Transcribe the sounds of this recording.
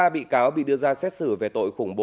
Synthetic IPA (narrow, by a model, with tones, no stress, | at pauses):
aː˧ɓḭ˧˨kaː˨˦wɓḭ˧˨ɗɨ˧əzaː˧sɛ˦˥t̚sɨ˧˩ve˨˩t̪o̰˧˨jxʊ˧˩ŋ͡mɓo˨